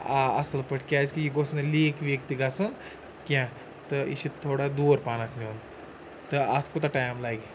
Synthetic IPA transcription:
aɐ̰sɐlpɐʈʰkʲaːskijiɡosnɐliːkʋekt̪iɡasun | kʲã | t̪ɨḭʃit̪ʰːoːɽad̪uːɾpaːnɐt̪ʰniun | t̪ɨɐt̪ʰkot̪ɐʈaːjmlaːɡi

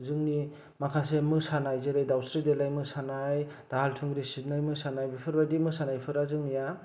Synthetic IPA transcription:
zɯŋni | makʰasemɯsanajzɯɾajdawsɾidelajmɯsanaj | d̥aɦaltʰuŋɡɾisit̚najmɯsanajbipʰɯɾbajdimɯsanajpʰɯɾazɯŋnija

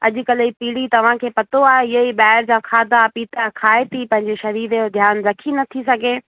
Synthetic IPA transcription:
ɐ̰ʄʊ̆kɐlipiːɽit̪ɐʋ̤ãkʰeːpɐt̪oaːɦeɪɦəiɓaːɦɪɾd͡ʑãːkʰaːd̪apiːt̪akʰaːet̪ʰipɐ̃ɦɪ̃ɲd͡ʑeʃɐɾiːɾeod̪ʱjaːnzɐkʰinɐt̪ʰisɐɡʱeː

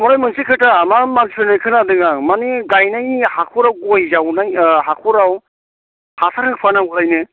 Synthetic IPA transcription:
mɔɾajmɯnsikʰɯtamamanpʰɯnajkʰɯnadɯŋamaniɡajnajhakʰuɾawɡojzawnajɦakʰuɾaw | hasaɾɯŋpʰanaɡulajnɯ

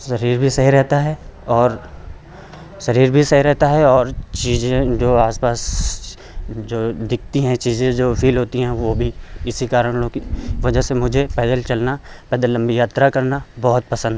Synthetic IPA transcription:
sɐɾiːɾbʱisɐɦiɾɛɦt̪aɦɛɔːɾ | sɐɾiːɾbʱisɐɦiɾɛɦt̪aɦɛɔːɾt͡ʃiːzẽd͡ʒoːaːspaːs | d͡ʒoːd̪ɪk̚ʰt̪iɦɛ̃t͡ʃiːzẽd͡ʒoːfʰiːlɦoːt̪iɦɛ̃ʋobʱiɪsikaːɾəɽ̃okiʋɐd͡ʒəɦsemʊd͡ʒʱepɛːd̪əlt͡ʃɐlnapɛːd̪əlɐ̃mbijaːt̪ɾakɐɾnabɔɦʊt̪̚pɐsə̃nd̪ʱɛ

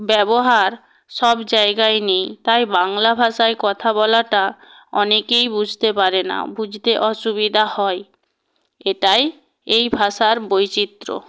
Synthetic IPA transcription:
bɛboɦaɾ | ʃɔbd͡ʑaeɡaenejt̪ajbaŋlabʱaʃaekɔt̪ʰabɔlaʈa | ɔnekejbud͡ʑʱt̪epaɾena̰bud͡ʑʱt̪eʔɔʃubid̪ʱahɔe | eʈaj | ejbʱaʃaɾbojt͡ɕit̪ːɾo̰

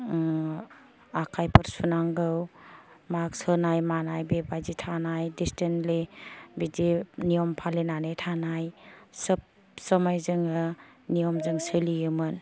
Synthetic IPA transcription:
akʰajpʰəɾsunaŋɡɯwmaksənajmanajbebajzitʰanajdistenlibidinijɔmpʰalenanejtʰanajsəp̚ | səmajzɯŋɯ | nijɔmzɯŋsɯlijɯmɯn

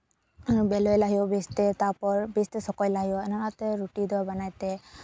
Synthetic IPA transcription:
bɛlɔjlaɦiɔbest̪ɛt̪apɔɹbest̪esɔkɔjlaɦiɔɛnaɾat̪ɛɾuʈid̪ɔbanajt̪e

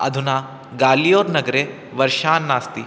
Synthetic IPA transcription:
ɐ̰d̪ʱunaː | ɡaːlijoːɾnɐɡɐɾe | ʋɐɾʃaːnːaːst̪i

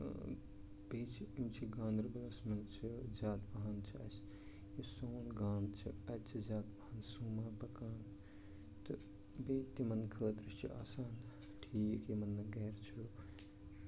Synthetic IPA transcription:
beːt͡ʃʰiimt͡ʃʰiɡãːnɾbɐɐsmɐnt͡ʃʰizʲaːt̪bɐɦɐnt͡ʃʰiɐs | jisoːnɡaːnt͡ʃʰiɐt̪t͡ʃʰizaːt̪bɐhɐnsuːmaːpɐkaːn | t̪ɨ | beːt̪ːimɐnkʰəːd̪ɾiʃt͡ʃʰia̰ːsaːn | ʈʰiːkimɐnːɐɡeːɾt͡ʃʰu

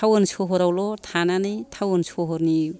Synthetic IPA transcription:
awɔnsʰɔɦɔɾawlɔtʰananɯjtʰawɔnsʰɔɦɔɾni

